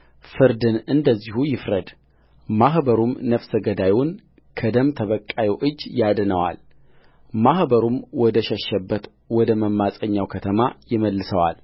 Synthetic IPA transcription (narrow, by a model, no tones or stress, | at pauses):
fɨɾd̪ɨnɨnd̪əzːihujɪfɾəd̪ | maɦbəɾumnəfsəɡəd̪ajun | kʰəd̪əmt̪ʰəβəkʼːajɛʔɨd͡ʒːjad̪nəwa̰l | mahbəɾumwɔd̪əʃəʃːəbːət̪ | wɔd̪əməmːasʼəɲːawkʰət̪ʰəmajɪməlːɨsəwa̰l